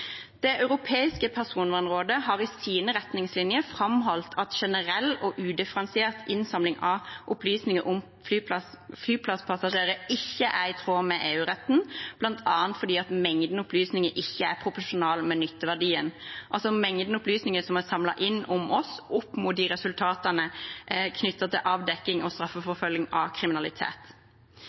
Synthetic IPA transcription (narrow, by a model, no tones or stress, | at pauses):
d̪̥ɛʔɑʉʁʊpʰeːɪskəpʰæʁsuːnʋɑːnʁoːd̪əɦɑʁɪsiːnəʁɛt̪nɪŋslɪnjəfʁɑmɦɔlt̪ʰɑt̪ʃɛnəɾɛlːɔʔʉːd̪ɪfəɾɑnsɪeːʁt̪ʰɪnsɑmlɪŋʔɑʔʊplyːsnɪŋəʔʊm | flyːpɑ | flyːpʰlɑspʰɑsɑʃeːɾəɪçːəʔæɾɪt̪ʰʁoːmɛʔeːʉːʁɛt̪n̩b̥lɑnt̪ʰɑːənt̪fɔd̪iːɑt̪mɛŋd̪nʊplyːsnɪŋəʔɪçːəæpʰɾʊpɔʂʊnɑːlmɛnʏt̪ːəʋæʁɖiːənʔɑlsɔmɛŋd̪n̩ʊplyːsnɪŋəsɔmæsɑmlɑ̰ʔɪnːʊmʔɔsʊpːmut̪̚d̪iːɾɛsʉlt̪ʰɑːt̪ɑnəkʰnʏt̪ːɑt̪ʰɪlʔɑːʋd̪ɛkːɪŋɔst̪ɾɑfːəfɔfœljɪŋɑ̰kʰɾɪmɪnɑlɪt̪ʰḛːt̪